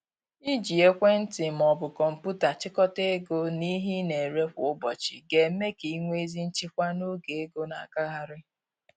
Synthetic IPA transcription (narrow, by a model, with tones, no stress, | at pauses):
i˦d͡ʒi˨e˦kʷe˦n̩˦tɪ˨m̩˨ɔ˨bʊ˨kɔ˨m̩˨pu˦ta˨t͡ʃɪ˦kɔ˦te˦e˦ɡo˦ni˦ɦi˦ne˨ɾe˦kʷʊ˨ʊ˦bɔ˨t͡ʃɪ˨ɡe˨˦me˦ki˨˦ŋʷe˦zi˦n̩˦t͡ʃɪ˦kʷa˦no˦ɡe˨e˦ɡo˦na̰˨a˨ka˦ɦa˦ɾɪ˦